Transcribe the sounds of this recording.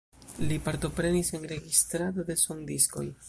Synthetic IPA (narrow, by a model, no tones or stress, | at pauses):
lipaɾt̪o̞pɾe̞nisenɾe̞ɡist̪ɾad̪o̞d̪e̞soŋd̪isko̞̰j